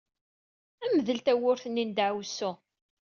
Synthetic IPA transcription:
æməðəlt̪æwʊɾθənːind̪aʕwsːu

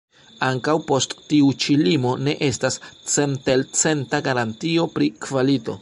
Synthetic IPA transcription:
aŋkawpo̞sttiut͡ʃilimo̞ne̞ʔe̞stast͡se̞nte̞lt͡se̞ntaɡaɾantio̞pɾikvalito̞̰

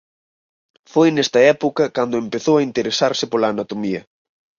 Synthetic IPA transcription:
fojnɛst̪ɐɛpokɐkand̪oempeθowɐint̪eɾesaɾsɪpolaːnat̪omiɐ

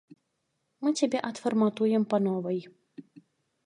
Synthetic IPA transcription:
mɨt͡sʲabʲɛʔɐt̪fɐrmat̪ujɛmpɐnɔvɐj

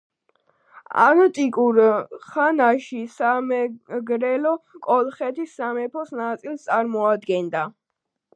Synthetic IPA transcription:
a̰nt̪ʼikʼuɾχanaʃisamɛɡɾɛlɔkʼɔlˠχɛt̪ʰisːamɛpʰɔsnat̪sʼilˠst̪sʼaɾmɔad̪ɡɛnd̪a

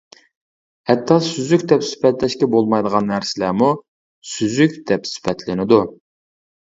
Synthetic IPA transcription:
ɛt̪ʰːɑsyzykʲd̪ɛpsy̥pʰɛt̪lɛʃkʲɛbolˠmɑjd̪əʁɑnːæɾsɪlæmu | syzykʲd̪ɛpsy̥pɛt̪ʰlɪnɪd̪u

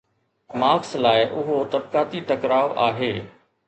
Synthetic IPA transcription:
maːkslaːɪʔʊɦot̪ɐb̚kaːt̪iʈɐkɾaːoʔa̰ːɦeː

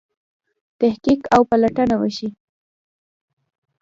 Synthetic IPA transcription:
t̪ahkikawpalaʈanawəʃi

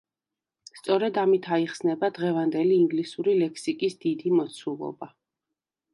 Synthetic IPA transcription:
st̪sʼɔɾɛd̪amit̪ʰaiχsnɛbad̪ʁɛvand̪ɛliːŋɡlisuɾilɛkʰsikʼisd̪̥id̪imɔt̪sʰulˠɔ̰ba

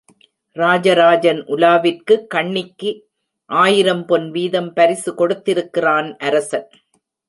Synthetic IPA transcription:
ɾaːd͡ʒɐɾaːd͡ʒɐnʔʊlaːʋɪrkɯkːɐɳːɪkːɯ | ʔaːjɪɾɐmpɔnʋiːðɐmpɐɾɪsɯkɔɽɯt̪ːɪɾɯkːɪraːnʔɐɾɐsɐn

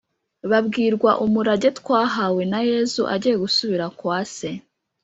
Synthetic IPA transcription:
βabɡiːɾɡwaʔumuɾaɟe̞tkwaːɦawe̞naje̞zuʔa̰ɟijeɡusuβiɾakwaːse̞

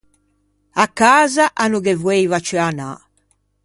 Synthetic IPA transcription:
akːaːzaʔanuɣɛvwejvat͡ʃɛana̰

